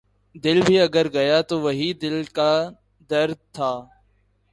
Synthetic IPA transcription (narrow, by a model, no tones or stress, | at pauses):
d̪ɪlbʱiːəɡəɾɡəjaːt̪oːʋəɦiːd̪ɪlkaː | d̪əɾd̪̚t̪ʰːaː